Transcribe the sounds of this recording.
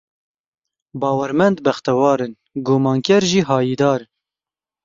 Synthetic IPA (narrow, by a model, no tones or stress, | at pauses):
bɑːwɛɾmɛnd̪bɛxt̪ɛwɑːɾɨn | ɡomɑːŋkɛɾʒiːɦɑːjiːd̪ɑːɾ